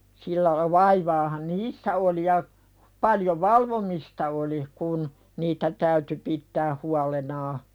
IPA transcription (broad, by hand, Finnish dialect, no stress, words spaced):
silːæ lɑ ʋɑiʋɑːhɑn niːsːæ oli jɑ pɑljo ʋɑlʋomistɑ oli kun niːtæ tæyty pitːæː huɑlenɑː